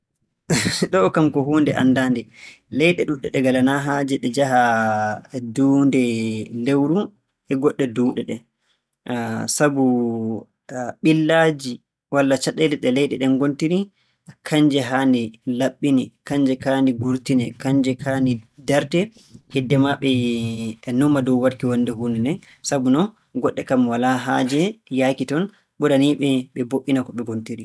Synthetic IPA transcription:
ɗɔkamkɔɦuːndɛʔanːdaːndɛ | lɛjɗɛɗuɗɛɗɛɡalanaɦad͡ʒɛɗɛd͡ʒaɦa | duːndɛlewɾu | ʔɛɡɔɗːɛduːɗɛɗɛ | sabu | ɓilːad͡ʒi | walːat͡ʃaɗɛlɛɗɛlɛjɗɛɗɛnɡontini | kʰaɲd͡ʒɛɦandɛlaɓːinɛkaɲd͡ʒɛkaniɡuɾtinɛkaɲd͡ʒɛkʰanidaɾtɛ | hɛdːɛmaɓɛ | numːadɔwwaɾkiwanːdɛɦunɛnɛ | sabunɔ | ɡɔɗːɛkamwalaɦaːd͡ʒɛjakitɔn | ɓɔɾaniɓɛɓɛboʔːinakɔɓɛɡontiɾi

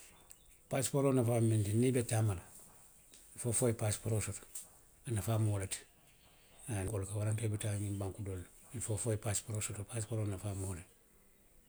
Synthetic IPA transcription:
paspoɾonafamintinibetamala | fofoipaspuɾosot | anafaːmolet | anɡolkawaɾaŋkebitaɲimbaŋkudol | infofojipaspuɾosutopaspoɾonafaːmolet

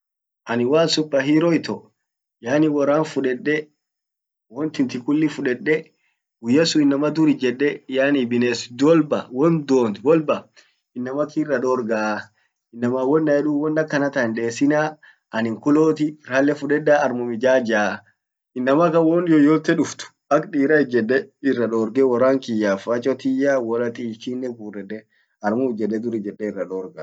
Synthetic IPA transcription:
ʔɐnɪwaːnsʊpːɐɦiːɾɔɪt̪ɔ | jaːnɪwɔɾaːnfʊᶑɛᶑːɛ | wɔnt̪ɪnt̪ɪkʊlːɪfʊᶑɛɗːɛ | wʊjːɐsʊɪnːɐmɐd̪ʊɾɪd͡ʒɛᶑːɛjaːnibɪneːsd̪ɔlbɐwɔnd̪oːnwɔlbɐ | ɪnːɐmɐkirːɐᶑɔɾɡaː | ɪnːɐmaːwɔnːɐɛᶑuːwɔnːɐkːɐnɐt̪ɐnᶑe̞ːsɪnaː | ʔɐnɪŋkʊloːt̪ɪɾaːlːɛfʊᶑɛd̪ːaɐɾmʊmɪd͡ʒaːd͡ʒaː | ɪnːɐmɐkɐwɔnjɔjɔt̪ːɛᶑʊft̪ʊ̥ | ɐkᶑiːɾɐɪd͡ʒɛdːɛɪrːɐᶑoːɾɡɛwɔrːaːŋkɪjːaːfɐt͡ʃʼɔt̪ɪjaːwɔlɐt̪ʼiːkinːɛbuːrɛd̪ɛ | ɐɾmʊd͡ʒɛᶑɛd̪ʊɾɪd͡ʒɛᶑːɛɪrːɐᶑoːɾɡa

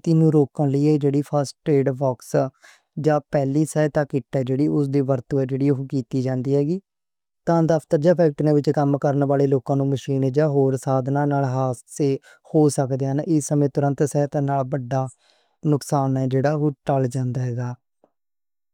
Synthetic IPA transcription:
t̪ɪnũːɾoːkãːləiːeːd͡ʒeːɽiːpʰəsʈʈɾeːɖbɔːks | d͡ʒãːpɛːliːsɛːt̪ãːkɪʈːɛːd͡ʒeːɽiːʊs̬d̪iːʋəɾt̪ũːɛːd͡ʒeːɽiːɦoːkiːt̪iːd͡ʒãːnd̪iːɦɛːɡiː | t̪ãːd̪əpʰt̪əɾd͡ʒaːpʰɛːk̚ʈnẽːʋɪt͡ʃkəmkəɾnʋaːleːloːkãːnũːməʃiːnɛːd͡ʒaːɦoːɾsaːd̪nãːnaːlɦaːseː | hoːsəkd̪eːnʔɪsːəmẽːt̪ʊɾə̃nt̪sɛːt̪ãːnaːlbəɖːaː | nʊksaːnɛːd͡ʒeːɽaːɦoːʈəld͡ʒãːnd̪aːɦɛːɡaː

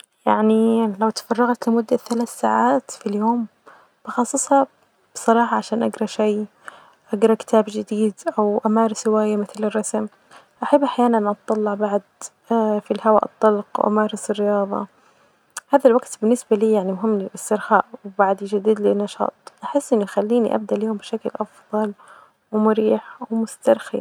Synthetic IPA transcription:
ja̰ʕnilawt̪fɑrˤːɑɣt̪lɪmʊd̪ːaθalaːθsaːʕaːt̪filjoːm | b̥ɑxɑsˤːɨsˤhɑ | b̥ɨsˤɑɾˤɑːħɑʕaʃaːnʔaɡɾˤɑʃaj | ʔaɡɾˤɑkɪ̥t̪ʰaːbd͡ʒɪd̪iːd̪ʔawʔamaːɾˤsɪwaːjamɪθlɪrˤːɑsm | ʔaħabːʔaħjaːnanʔɑt̪ˤːɑlːɑʕbaʕd̪ | filhawa̰ːʔɨ̰t̪ˤːɑlqwʔa̰mɑːɾˤɪsɪrːɪjɑːðˤɑ̰ | haːðalwaɡt̪bɪnːɪsbaliːjaʕnimʊɦɪmːlɪlʔɪst̪ɪɾxaːʔwbaʕd̪d͡ʒad̪ːiːd̪lɪnːɑʃɑ̰ːt̪ˤʔaħɪsːʔɪnːʊjxalːiːnḭʔa̰b̚d̪aʔlijːʊmbɪʃaklʔɑfðˤɑl | wɪmʊɾiːħwɪmʊst̪ɑɾˤxḭ

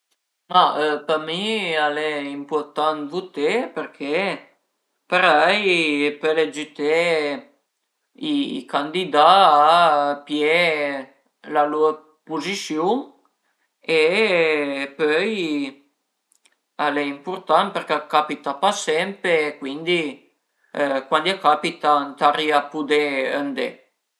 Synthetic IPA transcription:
maøpəmialɛimpurt̪anvut̪epəɾkʰe | pəɾɛjpøled͡ʒyt̪e | ikand̪id̪aː | pje | laluə | puzisjuŋ | e | pœj | alɛimpuɾt̪anpəɾkekapit̪apasɛmpeːkwind̪i | kwand̪iakapit̪ant̪aɾiapud̪eə̰nd̪e

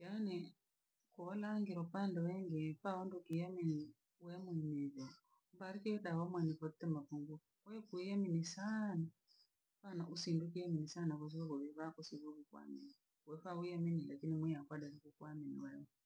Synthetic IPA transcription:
janɛ | kuɔlaŋɡiɾɔpandɔwɛŋɡɛfaɔndukijamini | wɛmwiniðɔ | mbaɾikɛjɔɗawɔmwɛnipɔt̪ɛmapuŋɡu | kwɛkujaminisana | panaʔusinduk̬ijaminisanakɔs̬ɔkakɔβiβakusiβukikwa̰mḭni | wɛfaujaminilakinimwijakwadaɾikukwaminḭwajɔ

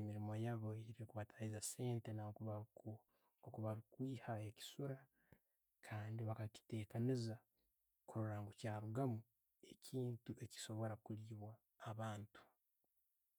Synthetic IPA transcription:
emiɾimo̞jaβoiɾikuβatʰaizase̞ːnte̞nakuβa | okuβaβikwiːhaeci̥suɾa | kʰaːndiβakaci̥te̞ːkaniza | kuɾuɾaːŋɡocaːɾuɡamu | e̞cʰiːntuʔe̞ci̥so̞βo̞ɾakuliːβwaː | βaːntu̥

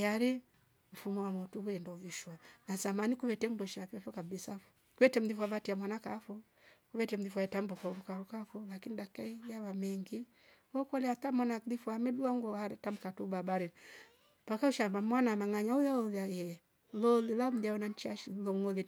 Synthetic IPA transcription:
jaɾɛ | fumuwamɔtuβuɛndɔviʃwanasamanikuβɛtɛmdɔʃapɛfɔkabisa | kuwɛtɛm̩ðifuaβatiamwanakafɔ | kuβɛtɛm̩ðifaɛtam̩bɔkauɾukaɾukafulakinidakaijaβamɛŋɡi | wɔkalɛatamwanaðifuamɛduaŋɡɔaɾɛtam̩katubabaɾɛ | pakauʃambamwanamaŋaɲaujaɔðajɛ | lɔlilam̩diaɔnant͡ʃiaʃilɔŋɔli

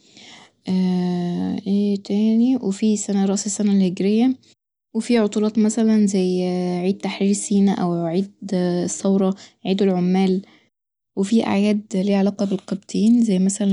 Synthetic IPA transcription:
ʔæː | ʔeːt̪æːniwefisænæɾˤɑʔsesːænælheɡɾejːæ | wefiʕot̪ˤuːlɑːt̪ˤmæsælænzæjʕiːd̪̥̚t̪aħɾiːɾsiːnæʔæwʕiːd̪sːɑwɾˤɑʕiːd̪elʕomːæːl | wefiːʔa̰ʕjæːd̪liːʕalɑːqɑbelqɑb̚t̪ʰiːnzæjːmæsælæ

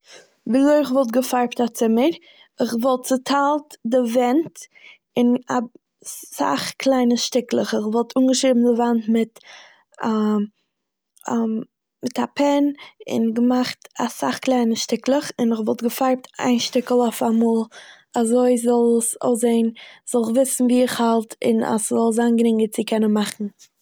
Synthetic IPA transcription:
viloɪɪχvɔlˠt̚ɡəfaɾp̚tat͡sɪməɾ | ɪχvɔlˠt̚t͡sɪtʰalˠtdɪvɛnt | ɪna | sa̰χklˠaɪnəʃtɪklˠəχɪχvɔlˠtʰuːnɡəʃɾiːbm̩dɪvantmɪt | a | mɪtʰapʰɛnɪ̰nɡəmaχtasa̰χklˠaɪnəʃtɪklˠəχɪnəχvɔlˠtɡəfaɾp̚ta̰ɪnʃtɪkl̩ˠɔʊfamuːlˠ | azoɪzɔlˠso̰ʊzeɪnz̥ɔlˠəχvɪsn̩viːɪχhalˠtɪ̰na̰szɔlˠzanɡɾɪŋɡət͡sɪkʰɛnənmaχn̩

